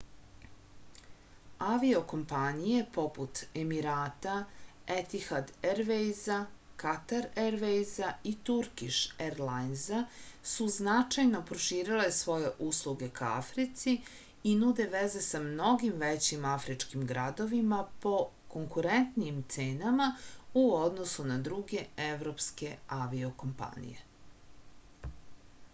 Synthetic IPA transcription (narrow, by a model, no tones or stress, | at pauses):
aʋio̞ko̞mpanije̞po̞put̪e̞miɾaːt̪aet̪ixad̪eɾʋejza | kat̪aɾeɾʋejzait̪uɾkiʃeɾlajnzasuznat͡ʂajno̞pɾoʃiːɾile̞sʋo̞je̞ʔuslˠuɡe̞kaa̰fɾit̪si | inud̪e̞ʋeze̞samno̞ɡimʋet͡ɕimafɾit͡ʂkimɡɾad̪o̞ʋimapo̞ | koŋkuɾent̪nijimt̪seːnamauod̪no̞sunad̪ɾuɡe̞eʋɾo̞pske̞aʋio̞ko̞mpa̰nḭjḛ